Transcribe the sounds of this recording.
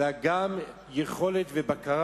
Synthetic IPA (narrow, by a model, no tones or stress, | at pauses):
aɡam | jeχo̞let̪vebakaʁ